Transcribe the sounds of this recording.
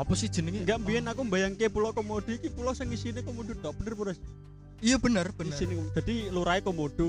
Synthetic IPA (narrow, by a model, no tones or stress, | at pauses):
ɔpɔsid̥ʒ̥ə̤nəŋŋɡaʔmbiɛnakumbajaŋkepulɔkomod̪̥i̤kipulɔsɪŋisinekomod̪̥o̤d̪̥ɔʔb̥ənərpuɾas | ijəb̥ənərb̥əisinedd͡ʒ̪̥a̤d̥̪iluɾaekomoɖ̪̥o̤